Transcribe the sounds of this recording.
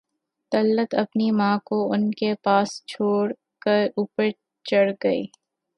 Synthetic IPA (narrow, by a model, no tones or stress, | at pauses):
t̪ɐlːət̪ɐpnimãːkoʊnkepaːst͡ʃʰoːɽ | kəɾuːpəɾ | t͡ʃɐɽɡɐḭː